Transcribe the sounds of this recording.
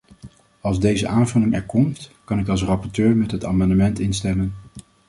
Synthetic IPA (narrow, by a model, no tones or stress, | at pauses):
ɑlˠzdejzəʔaːnvɵlɪŋɛɹkɔmtkɑnɪkɑlˠs̬rɑpɔɹtøːɹmɛtɦətaːmɑndəmɛntɪnstɛmən